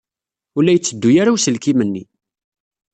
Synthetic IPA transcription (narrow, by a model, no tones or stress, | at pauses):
ʊlːæjət͡sːəd̪ːujaɾawsəlkimənːi